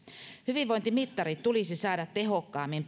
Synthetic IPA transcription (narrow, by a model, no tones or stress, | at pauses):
hyʋiʋʋo̞jnt̪imit̪ːɑɾit̪t̪ulisisɑːdɑt̪ːe̞ɦo̞kːɑːmːimp